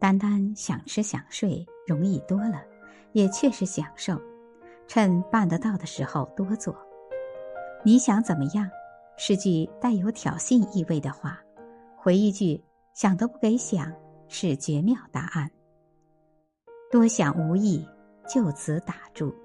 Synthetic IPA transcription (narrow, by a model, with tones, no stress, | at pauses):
t̪a˥nt̪a˥nɕjɑ˨˩ŋʈ͡ʂʰɻ̩˥ɕjɑ̰˨˩ŋʂwe˥˩ɪɻʊ˧˥ŋi˥˩t̪wɔ˥lə˨ | jɛ˨˩t͡ɕʰɥɛ˥˧ʂɻ̩˧˥ɕjɑ˨˩ŋʂo˥˩ʊ | ʈ͡ʂʰə˥npa˥˩nd̪ə˧˦t̪ɑ˥˩ʊd̪ə˩ʂɻ̩˧˥xo˧ʊt̪wɔ˥t͡swɔ˥˩ | ni˧˥ɕjɑ˧˥ŋt͡sə˨˩nmə˦jɑ˥˩ŋ | ʂɻ̩˥˧t͡ɕy˥˧t̪a˥˩ɪjo˧˥ʊt̪ʰjɑ̰˨˩ʊɕi˥˧ni˥˧we˥˩ɪd̪ə˩xwa˥˩ | xwe˧˥ɪi˥˧t͡ɕy˥˩ | ɕjɑ˨˩ŋd̪ə˧˥pu˥˩ke˧˥ɪɕjɑ˨˩˦ŋ | ʂɻ̩˥˩t͡ɕɥɛ˧˥mjɑ˥˩ʊt̪a̰˧˥ʔa˥˩n | t̪wɔ˥ɕjɑ˨˩ŋu˧˥i˥˩ | t͡ɕjo˥˩ʊt͡sʰɹ̩˧˥t̪a˨˩ʈ͡ʂu˥˩